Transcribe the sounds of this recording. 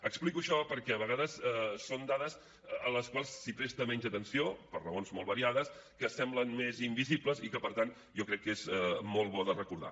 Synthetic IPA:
əksplikuəʃɔpəɾkɛəβəɣaðəsɛsond̪aðəs | ələskwalˠsːipɾest̪əmɛɲd͡ʒət̪ənsiopərrəonzmolˠβəɾiaðəskəsɛmblənmezimbizipləzikəpəɾt̪an | jɔkɾɛkːezɛmolˠβɔðərəkuɾða̰

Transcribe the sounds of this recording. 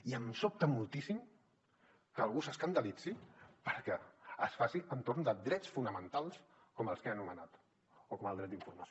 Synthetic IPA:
iəmsop̚t̪əmulˠt̪isim | kəːlˠɣusəskənd̪əlid͡zipəɾkɛəsfasiənt̪oɾnd̪əd̪ɾɛt͡sfunəmənt̪alˠs | kɔməlˠskeənumənat̪ | okɔməlˠd̪ɾɛt̪d̪iɱfuɾməso

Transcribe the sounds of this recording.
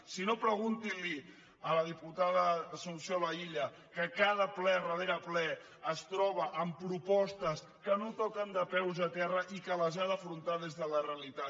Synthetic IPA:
sinopɾəɣ̞unt̪ili | ələð̞iput̪aðəsəlusjoləiʎə | kəkað̞əplɛrəðeɾəplɛ | əst̪ɾɔβ̞əʔəmpɾupɔst̪əs | kənot̪ɔkənd̪əpɛwzət̪ɛrəʔikələzanəfɾunt̪aðezðələreəlit̪a

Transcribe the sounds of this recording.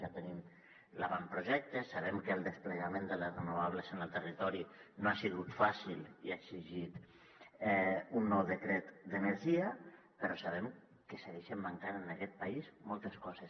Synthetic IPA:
ʒat̪ənim | laβampɾuʒɛk̚t̪əsaβ̞ɛmkəlˠd̪əspləɣamẽnd̪ələrənuβaβ̞ləzənəlˠt̪ərit̪ɔɾinoasiɣut̪fasilˠiaɡziʒit̪ | ɛunːɔwðəkɾɛt̪d̪ənəɾʒia | pəɾɔsaβ̞ɛm | kəsəɣeʃəmːaŋkanənakɛt̪̚paizmɔlˠt̪əskɔzəs

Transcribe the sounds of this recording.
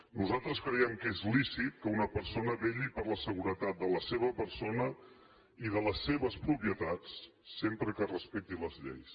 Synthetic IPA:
nuzalˠt̪ɾəskɾəjɛmkezlisit̪̚kəunəpəɾsonəβeʎipəɾləsəɣuɾət̪at̪̚d̪ələseβ̞əpəɾsonə | iðələsːeβəspɾupjət̪at͡sː | empɾəkərəspɛk̚t̪iləzʎḛjs

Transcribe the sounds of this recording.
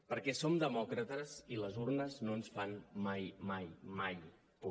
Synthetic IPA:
pəɾkɛsomd̪əmɔkɾət̪əziləzurnəznoənsfanmajmajmaj | pu

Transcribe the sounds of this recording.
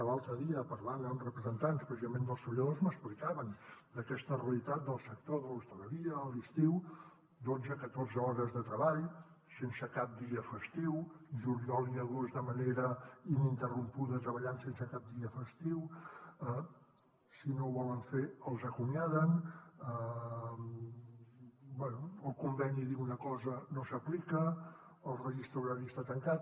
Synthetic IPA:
əlalˠt̪ɾəðiəpəɾβand̪ənrəpɾəzənt̪anspɾəsizəmẽnd̪əlˠst̪ɾəβəʎəðozməsplikaβənd̪əkɛst̪əreəlit̪at̪̚d̪əlˠsək̚t̪oðəlust̪ələɾiəːlˠist̪iw | d̪ozəkət̪orzəɔɾəzðət̪ɾəβaʎ | sensəkap̚d̪iəfəst̪iwʒuɾiɔliəɣozðəməneɾəinint̪ərumpuðət̪ɾəβəʎansensəkap̚d̪iəfəst̪iwə | sinoβɔləɱfeəlˠzəkumjaðənə | bwɛnuəlˠkumbɛniðiwunəkɔzənosəplikə | əlˠrəʒist̪ɾuɾaɾiəst̪at̪əŋkat̪̚

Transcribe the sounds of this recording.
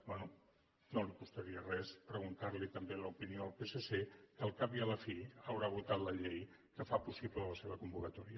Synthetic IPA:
bɛnu | nolikust̪əɾiərɛspɾəɣ̞unt̪aɾlit̪əmbeləupinioəlˠpesesekəlˠkapiələfiəwɾaβ̞ut̪at̪ləʎej | kəfapusiplələseβəkumbukət̪ɔɾiə

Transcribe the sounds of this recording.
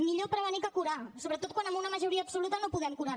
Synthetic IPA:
miʎopɾəβənikəkuɾasoβɾət̪ot̪̚kwanəmunəməʒuɾiəːpsulut̪ənopuðɛmkuɾa

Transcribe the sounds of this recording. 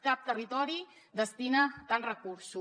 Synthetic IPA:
kap̚t̪ərit̪ɔɾi | d̪əst̪inat̪anrəkuɾsu

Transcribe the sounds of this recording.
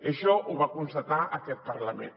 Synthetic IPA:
əʃɔʔuβakunst̪ət̪aʔəkɛt̪̚pəɾləmḛ̃n

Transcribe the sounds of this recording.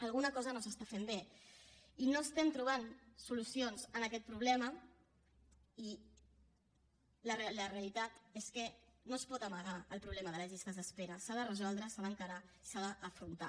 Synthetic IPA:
əlɣunəkɔzənosəst̪afembe | inoəst̪ɛmt̪ɾuβ̞ansulusionzənəkɛt̪̚pɾuβlɛmə | i | ləreləreəlit̪at̪eskənospɔt̪əməɣaəlˠpɾuβlɛməðələʒist̪əzðəspeɾəsaðərəzɔlˠd̪ɾəsaðəŋkəɾai̥saðəʔːfɾunt̪a̰

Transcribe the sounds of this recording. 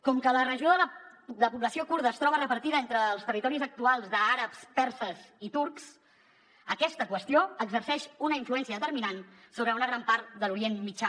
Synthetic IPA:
kɔmkələrəʒioðələ | d̪ələpuβləsiokuɾðəːst̪ɾɔβərəpəɾt̪iðəent̪ɾəːlˠst̪ərit̪ɔɾizək̚t̪ualˠzðəaɾəpspɛɾsəzit̪uɾks | əkɛst̪əkwəst̪ioəɡzərsɛʃunəiɱfluɛnsiəðət̪əɾminan | soβɾəunəɣɾampaɾt̪̚d̪əluɾienmid͡ʒa

